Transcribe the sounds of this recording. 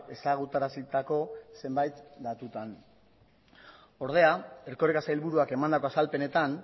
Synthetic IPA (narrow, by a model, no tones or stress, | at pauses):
e̞saɣ̞ut̪aɾasit̪ako̞se̞mbajt̪d̪at̪ut̪an | o̞ɾð̞e̞ae̞ɾko̞ɾekasajilβuɾuake̞mand̪akoasalpe̞ne̞t̪an